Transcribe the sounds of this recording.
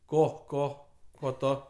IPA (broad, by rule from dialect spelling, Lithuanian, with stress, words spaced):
ˈkoː ˈkoː ˈkoː ˈtoː